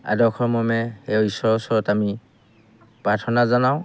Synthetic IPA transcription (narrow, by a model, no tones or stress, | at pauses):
a̰dɔkʰɔɹmɔmɛewisɔɹɔsɔɹɔtami | pɹaɹtʰɔnazanaʊ̃